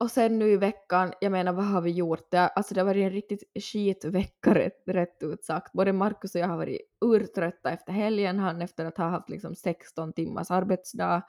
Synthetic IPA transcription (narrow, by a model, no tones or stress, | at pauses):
ɔsɛnːʉːɪvɛkːanjaːɡmeːnaɾvaɦaɾvɪjuɾt̪̚d̪ɛʔalt̪sɔd̪ɛhavɑːɾɪɛnɾɪk̚t̪ɪt̪ɕiːt̪vɛkːaɾɛ̰ɾɛt̪ːʉːt̪sakt̪̚boːd̪əmaɾkʉsɔjahaɾvɑ̰ːɾɪ̰ʉːɾt̪ʰɾœt̪ːaɛft̪əɾɦɛljənɦanːɛft̪əɾat̪haɦaft̪lɪ̰ksɔmsɛkst̪ɔnt̪ɪmːa̰ʂaɾbɛt̪sd̪ɑː